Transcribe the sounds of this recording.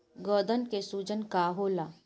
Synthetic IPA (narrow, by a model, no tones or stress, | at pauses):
ɡɔːd̪ənkesuːd͡ʒənkaːɦoːlaː